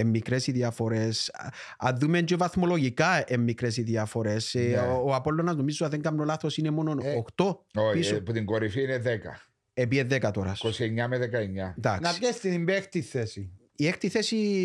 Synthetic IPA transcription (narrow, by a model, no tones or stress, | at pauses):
emːikɾesiðjafo̞ɾes | aðːumend͡ʒovaθmo̞loɣikaemːikɾesiðjafo̞ɾesoapolːonɐznomizoaðeŋɡamnolaθosinemo̞nonoxt̪o̞opisoput̪iŋɡoɾifiineðekɐ̰ | epieðekat̪oɾa̰skosieɲːameðekaeɲːad̪aknsest̪inimbext̪iθesi | iext̪iθesi